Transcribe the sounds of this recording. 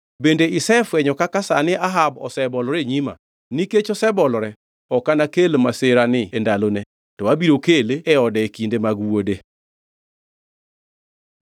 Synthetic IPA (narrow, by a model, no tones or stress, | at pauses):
bendeɪsɛfwɛɲɔkakasanɪʔaɦabɔ̰sɛbɔlɔɾeɲima̰ | niket͡ʃɔsɛbɔlɔɾɛ | ɔkanakelmaseɾanɪendalonɛ | tɔwabiɾokeleɛɔdɛekindemaɡwode